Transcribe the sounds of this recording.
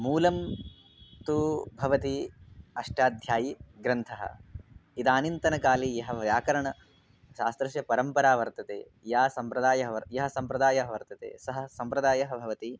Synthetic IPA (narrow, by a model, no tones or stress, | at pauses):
muːlɐm | t̪ubʱɐʋɐt̪iɐʂʈaːd̪ʱjaːjiɡɾɐnt̪ʰɐɦɐ̰id̪aːnint̪ɐnɐkaːlijɐɦɐʋjaːkɐɾɐɳɐ | ʃaːst̪ɾɐʃjɐpɐɾɐmpɐɾaːʋɐɾt̪ɐt̪ḛː | jaːsɐmpɾɐd̪aːjɐɦɐʋɐɾjɐɦɐ̆sɐmpɾɐd̪aːjɐɦɐʋɐɾt̪ɐt̪ḛːsɐɦɐ̆sɐmpɾɐd̪aːjɐɦɐbʱɐʋɐt̪i